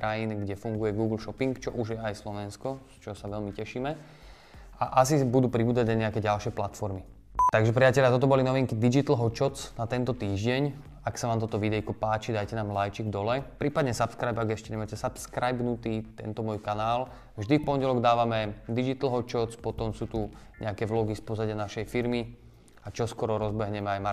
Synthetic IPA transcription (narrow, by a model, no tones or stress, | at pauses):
kɾajinɡɟɛfuŋɡujɛɡuːɡl̩ʃɔpiŋkt͡ʃɔʔuʒjɛajslɔʋɛnskɔst͡ʃɔɦɔsaʋɛʎmicɛʃiːmɛ | aʔas̬ibud̪uːpɾibuːd͡zaɟnaɲɛakɛːɟalʃɪɛplat̪fɔɾmi | t̪aɡʒɛpɾiacɛʎat̪ɔt̪ɔbɔlinɔʋiŋkid̪id͡ʒit̪l̩ɦɔt͡ʃɔt͡snat̪ɛnt̪ɔt̪iːʒɟɛɲ | aksanaːmt̪ɔt̪ɔʋid̪ɛjkɔpaːt͡ʃid̪ajcɛnaːmlajt͡ʃiɡd̪ɔlɛpɾiːpad̪ɲɛsapskɾajbaɡɛʃcɛɲɛmaːcɛsapskɾajbnut̪iːt̪ɛ̰nt̪ɔmɔjkanaːl | vʒd̪ifpɔɲɟɛlɔɡd̪aːʋamɛd̪id͡ʒit̪l̩ɦɔt͡ʃɔt͡spɔt̪ɔmsuːt̪u | ɲʔɛakɛʋlɔɡispɔzaɟanaʃɛjfiɾmi | at͡ʃɔskɔɾɔɾɔzbɛɦɲɛmɛajma